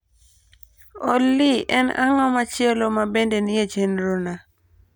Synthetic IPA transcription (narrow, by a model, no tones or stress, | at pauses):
ɔ̰lːɪʔɛna̰ŋɔmat͡ʃɪɛlomabendenɪed͡ʒenɾona